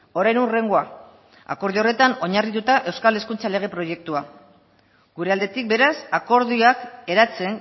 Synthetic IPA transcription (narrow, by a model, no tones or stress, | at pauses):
o̞ɾajnure̞ŋɡoa | a̰ko̞ɾð̞io̞re̞t̪ano̞ɲarit̪ut̪aʔe̞wskale̞skunt͡sale̞ɣ̞e̞pɾo̞je̞k̚t̪ua | ɡ̥uɾe̞ald̪e̞t̪ik̚be̞ɾasako̞ɾðiake̞ɾat͡se̞ŋ